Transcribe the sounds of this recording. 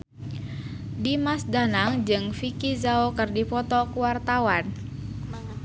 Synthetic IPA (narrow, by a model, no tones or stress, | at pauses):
dimasdanaŋd͡ʒɨŋfikizaokɨrdipɔt̪ɔkuwart̪awan